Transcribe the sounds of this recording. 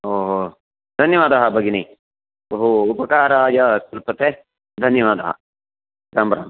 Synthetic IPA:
ɦoːɦoː | d̪ʱɐnjɐʋaːd̪ɐɦɐbʱɐɡini | bɐɦuːpɐkaːɾaːjɐkɐlpɐt̪e | d̪ʱɐnjɐʋaːd̪ɐɦɐ̰ | ɾaːmbɐɾa̰ːm

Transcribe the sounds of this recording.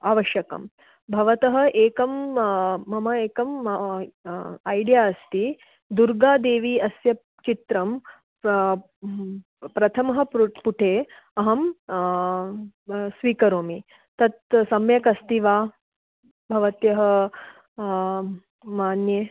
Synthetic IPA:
aːʋɐʃjɐkɐ̰m | bʱɐʋɐt̪ɐɦɐ̆ʔeːkɐmː | ɐmɐeːkɐm | ɐjɖjaːɐst̪i | d̪uɾɡaːd̪eːʋiːɐsjɐ | t͡ʃit̪ɾɐm | pɾɐt̪ʰɐmɐɦɐ̆puʈʰeː | ɐɦɐm | sʋiːkɐɾoːmi | t̪ɐt̪sɐmjɐkɐst̪iʋaː | bʱɐʋɐt̪jɐɦɐ̆ | maːnjeː

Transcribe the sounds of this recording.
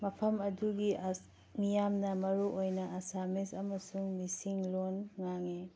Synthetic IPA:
mɐpʰɐmɐduɡi | mijamnɐmɐɾuʔojnɐʔɐsamisɐmɐsuŋmisiŋlonŋaŋe

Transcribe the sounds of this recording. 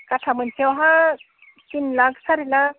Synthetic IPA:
kaʈʰamənsewɦã | t̪inlaɡsaɾila

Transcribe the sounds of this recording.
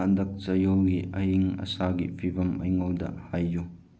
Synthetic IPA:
ɐndɐk̚t͡ʃɐjowɡiɐ̰ɦiŋɐ̰saɡipʰibɐmɐ̰jŋowdɐ̰hajːu

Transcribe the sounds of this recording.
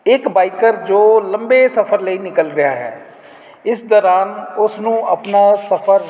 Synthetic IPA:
ɪkbaːikəɾd͡ʒoːlə̃mbeːsəpʰəɾləiːnɪkəlɾɪjaːɦɛ̰ː | ɪsd̪ɔːɾaːnʊsnũːəpnaːsəpʰəɾ

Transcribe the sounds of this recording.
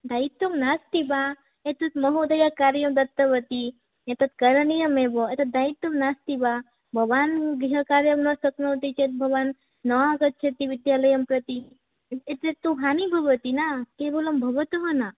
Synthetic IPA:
d̪ait̪ːomnast̪iba | et̪ut̪mɐɦod̪ɐjakaɾjɐmd̪ɐt̪ːəʋət̪i | et̪ɐt̪kɐɾnijɐmeboet̪ɐt̪̚d̪ait̪ːomnast̪iba | bʱɐʋanɡiɦəkaɾjɐmnɐsɐknot̪it͡ʃʰet̪̚bʱɐʋanː | əʋaɡət̪̚t͡ʃʰet̪iʋid̪jaləjɐmpɾɐt̪i | et̪et̪ːuɦanibʱɐʋət̪inakebolɐmbʱɐʋət̪oɦɐna

